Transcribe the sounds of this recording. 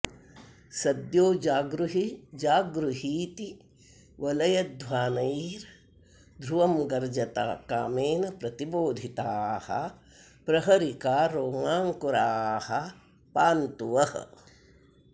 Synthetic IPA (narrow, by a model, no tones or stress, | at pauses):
sɐd̪joːd͡ʒaːɡɾuɦid͡ʒaːɡɾuɦiːt̪i | ʋɐlɐjɐd̪ʱwaːnɐiɾ | d̪ʱɾuʋɐmɡɐɾd͡ʒɐt̪a̰ːkaːmeːnɐpɾɐt̪iboːd̪ʱit̪aːhɐ̰ | pɾɐɦɐɾikaːɾoːŋaːŋkuɾaːhɐ | paːnt̪uʋɐhɐ̰